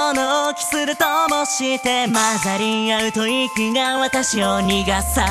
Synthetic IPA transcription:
nookʲi̥sɨɾɯ̟t̪omoɕit̪e̞mazaɾʲiaɯ̟t̪oikiɡaβat̪aɕioɲiɡasa

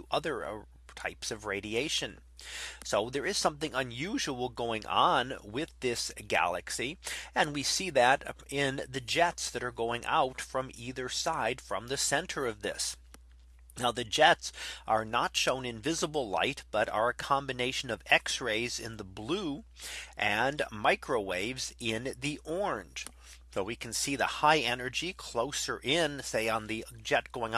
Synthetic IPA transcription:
ʔʌðə˞ | tʰaɪpsʌvɹeɪɾieɪʃɨ̃n | soʊðə˞ɨz̥sʌ̃mθɪ̃ŋə̃njʉʒəwl̩ˠɡoʊɪ̃ŋʔə̰̃nwɪðɪsɡ̥æ̰lˠɨ̰ksiɨ̃nwisiðɨɾɪ̃nðɨd͡ʒɛtsðɨɾə˞ɡoʊɪ̃ŋʔa̰ʊtfɹʌ̃miðə˞saɪd̥fɹʌ̰̃mðɨsɛ̃ntʰə˞ʌvðɪ̰s | naʊðɨd͡ʒɛtsʔə˞nətʃõʊ̃nɨ̃ɱvɪzəbl̩ˠla̰ɪt̚b̥ʌɾə̰˞ɨkʰɑ̃mbɨneɪʃɨ̃nʌvɛksɹeɪzɪ̰̃nðəblu | ʔɨ̃nmaɪkʰɹoʊweɪvzɪ̃nðiʔɔɹ̃nʒ̥ | soʊwikʰn̩siðəhaɪɛnə˞d͡ʒikʰl̥oʊsə˞ʔɪ̃nseɪə̃nðɨd͡ʒɛt̚ɡ̥oʊɪ̃ŋ

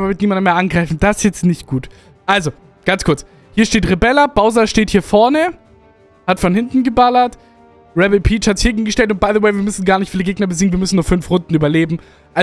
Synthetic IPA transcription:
bɐmɪtniːmandənmeːɐʔanɡʁaɪfn̩d̥asjɛt͡stnɪçtɡ̥uːt | ʔalzo | ɡ̥ant͡skʰʊɐt͡s | hiːɐʃteːtʁebɛlɐb̥aʊzɐʃteːthiːɐfɔɐnə | hatfɔnhɪntn̩ɡəbalɐt | ʁɛbəpʰiːt͡ʃhatz̥ɪ̥çheɡŋ̩ɡəʃtɛltʊnt̚b̥aɪðəwaɪviːɐmʏsn̩ɡaːɐnɪçtfiːləɡeːɡnɐbəziːɡŋ̩nviɐmʏsn̩nuɐfʏnfʁʊndn̩yːbɐleːbm̩ | ʔa

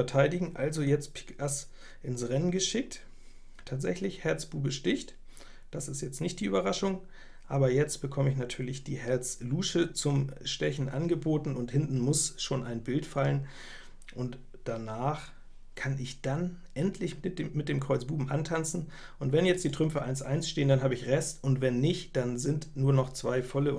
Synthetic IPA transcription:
ɛɐtʰaɪdɪɡŋ̩ʔalzojɛt͡stpʰɪ̥kas | ʔɪnsʁɛnənɡəʃɪk̚t | tʰaːtz̥ɛçlɪçhɛɐt͡sb̥uːbəʃtɪçt | d̥asɪstjɛt͡stnɪçt̚d̥iːʔyːbɐʁaʃʊŋ | ʔaːbɐjɛt͡stb̥əkʰɔməɪç̬natʰyːɐlɪçd̥iːhɛɐt͡sluːʃət͡sʊmʃtɛçn̩ʔa̰nɡəboːtn̩ʊnthɪntn̩mʊsʃoːnaɪnbɪltfalən | ʔʊnt | d̥anaːχ | kʰanɪçd̥anʔɛntʰlɪçmɪt̚d̥eːmkʁ̥ɔʏt͡sb̥uːbm̩ʔa̰ntʰant͡sn̩ | ʔʊntv̥ɛnjɛt͡std̥iːtʁ̥ʏmfəʔaɪnsʔa̰ɪnsʃteːəndanɦaːbəɪçʁɛstʊntv̥ɛnːɪçtd̥anzɪntnuːɐnɔχt͡sv̥aɪfɔlə

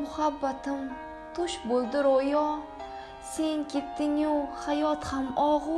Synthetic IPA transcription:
mʊhabːat̪ɪm | t̪ʰʊʃbolˠd̪ɪɾojɒ | se̞ŋkʲʰet̪ːɪŋohajɒt̪hamɒʁ

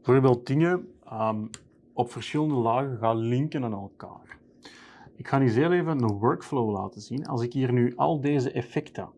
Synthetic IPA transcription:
bəvoːrbeːl̚ˠdɪŋəəm | ɔpfərsxɪləndəlaːɣəɣaːlɪŋkənaːnɛlˠka̰ːr | ɪkxaːnizeːleːvəənwœɹkflowla̰ːtəzinɑ̰lˠsɪkɦiːrnyʔɑ̰lˠdeːzəʔɛfɛktʰə̰

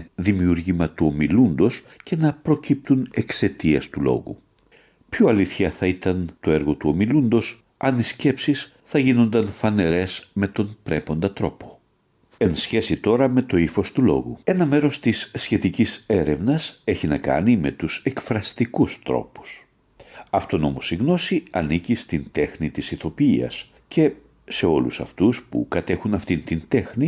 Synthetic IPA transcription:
ðimiuɾʝimɐt̪uo̞milund̪o̞s | ce̞nɐpɾo̞cip̚t̪une̞kse̞t̪iɐst̪ulo̞̰ɣṵ | pçoɐliθçɐθɐit̪ɐnt̪o̞e̞ɾɣo̞t̪uo̞milund̪o̞s | ɐnisce̞psis | θɐʝino̞nd̪ɐnfɐne̞ɾe̞sme̞t̪o̞npɾe̞po̞nd̪ɐt̪ɾo̞̰po̞̥ | e̞nsçe̞sit̪o̞ɾɐme̞t̪o̞ifo̞st̪ulo̞̰ɣṵe̞nɐme̞ɾo̞st̪isːçe̞t̪icise̞ɾe̞vnɐse̞çinɐkɐ̰nime̞t̪use̞kfɾɐst̪ikust̪ɾo̞̰pu̥s | ɐft̪o̞no̞̰mo̞siɣno̞siɐnicist̪int̪e̞xnit̪isiθo̞piiɐ̰s | ce̞ | se̞o̞lṵsɐ̰ft̪uspṵkɐt̪e̞xunɐft̪int̪int̪e̞xni

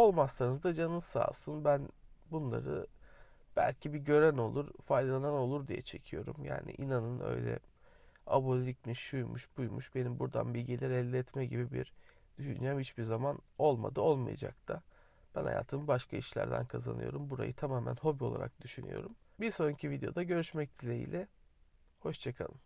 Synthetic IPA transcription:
o̞lˠmasːanɯzd̪ad͡ʒanɯsa̰ːsɯnbænbunlˠaɾɯ | b̥ælʲcʰibiɟø̞ɾæno̞lˠuɾfajd̪alˠanano̞lˠuɾd̪ijɛ̰t͡ʃʰe̞cʰijo̞ɾumja̰ːnḭʔinanɯnø̞̰jlʲɛ̰ | abolʲicmiʃujmuʃbujmuʃbe̞nimbuɾd̪a̰nbilʲɟilʲɛɾɛlʲːɛɛt̪mɛɟibibḭɾ | d̪̥yʃynd͡ʒɛmhit͡ʃbiɾzamano̞lˠma̰d̪ɯo̞lˠmajad͡ʒa̰k̚t̪ʰa | b̥ænha̰jaːt̪ʰɯmɯbaʃkʰaiʃlʲæ̰ɾd̪æ̰nkʰazanɯjo̞ɾumbuɾa̰jɯt̪ʰamaːmænho̞bio̞lˠa̰ɾa̰k̚d̪yʃyny̰jo̞̰ɾum | biɾso̞ɾuɲcʰivid̪eo̞̰d̪aɟø̞ɾyʃmɛc̚d̪ʰilʲejḭlʲɛ | ho̞ʃt͡ʃʰakʰalˠɯm

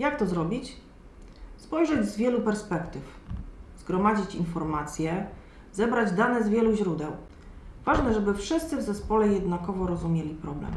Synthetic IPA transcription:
jakt̪ɔzɾɔbʲit͡ɕ | spɔjʐɛd͡ʑzvʲjɛlupɛɾspɛkt̪ɘfzɡɾɔmad͡ʑit͡ɕinfɔɾmat̪sʲjɛ | zɛbɾad͡ʑd̪anɛzvʲjɛluʑɾud̪ɛw | vaʐnɛʐɛbɘfʂɘst̪sɘvzɛspɔlɛjɛd̪nakɔvɔɾɔzumʲjelʲipɾɔblɛ̰m

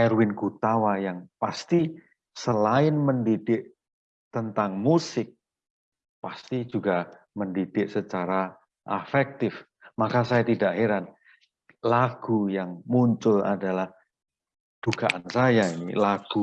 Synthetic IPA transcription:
ɛɾwɪnɡut̪awajaŋpast̪i | səlaɪnməndid̥ɪʔ | t̪ənt̪aŋmusɪk̚ | past̪id͡ʒuɡa | məndid̥ɪʔsət͡ʃaɾa | ʔafɛk̚t̪ɪf | makasajat̪idaʔheɾan | laɡ̥ujaŋmuɲt͡ʃʊla̰dalah | d̥uɡaʔansajainilaɡ̥u

